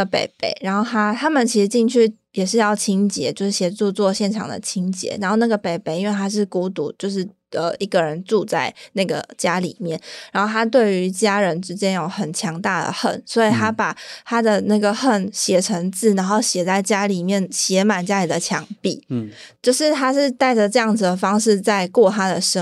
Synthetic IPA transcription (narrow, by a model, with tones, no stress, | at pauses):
pḛ˨˩ɪpḛ˥˩˦ɪɻa˧˥nxo˥˩ʊt̪ʰa˥t̪ʰa˥mə˨nt͡ɕʰi˧˥ʂɻ̩˧˥t͡ɕi˥˧ŋt͡ɕʰy˥˩ | jɛ˨˩ʂɻ̩˥˧jɑ˥˩ʊt͡ɕʰi˥ŋt͡ɕjɛ˧˥˦t͡ɕjo˥˧ʊʂɻ̩˥˩ɕjɛ˨˩ʈ͡ʂu˥˧t͡swɔ˥˧ɕjɛ˥˩nʈ͡ʂʰɑ˨˩ŋd̪ə̰˩t͡ɕʰi˥ŋt͡ɕjɛ̰˧˥ɻa˧˥nxo˥˧ʊna˥˩ɡə˩pe˨˩ɪpe˨˩ɪi˥nwe˥˧ɪt̪ʰa˥ʂ̬ɻ̩˥˩ku˧˥t̪ṵ˨˦t͡ɕjo˥˧ʊʂ̬ɻ̩˥˩ | ə̰˧i˥ɡə˩ɻə˧˦nʈ͡ʂu˥˧t͡sa˥˧ɪna˥˩ɡə̰˩t͡ɕja˥lḭ˨˩mjɛ˥˩nɻa˧˥nxo˥˩a˥t̪̬we˥˩ɪy˧˥t͡ɕja˥ɻə˧˦˥nʈ͡ʂɻ̩˥t͡ɕjɛ˥njo˨˩ʊxə˨˩nt͡ɕʰjɑ˧˥ŋt̪a˥˩d̪ə̰˩xə̰˥˩nswɔ˧˥i˨˩t̪ʰa˥pa˨˩t̪ʰa˥d̪ə˨na˥˩ɡə˩xə˥˩nɕjɛ˨˩ʈ͡ʂʰə˧˥ŋt͡sɹ̩˥˩na˧˥nxo˥˩ʊɕjɛ˨˩t͡sa˥˩ɪt͡ɕja˥li˨˩mjɛ˥˩nɕjɛ˧˥ma˨˩nt͡ɕja˥i˨˩d̪ə˨t͡ɕʰjɑ˧˥ŋpi˥˩t͡ɕjo˥˧ʊʂɻ̩˥˩t̪ʰa˥ʂɻ̩˥˧t̪a˥˩ɪʈ͡ʂə˨˩ʈ͡ʂɤ˥˧jɑ˥˩ŋd͡z̩˩d̪ə˩fɑ˥ŋʂɻ̩˥˧t͡sa˥˧ɪkwɔ˥˩t̪ʰa˥d̪ə˨ʂ